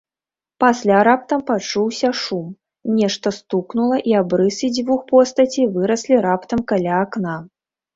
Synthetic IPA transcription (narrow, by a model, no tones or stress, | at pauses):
pasʲlʲaɾap̚t̪ɐmpat͡ʂuwsʲɐʂum | nʲɛʂt̪ɐst̪uknulˠɐʔiabɾɨsid͡zʲvuxpɔst̪ɐt͡sʲivɨɾɐsʲlʲiɾapt̪ɐmkalʲaːkna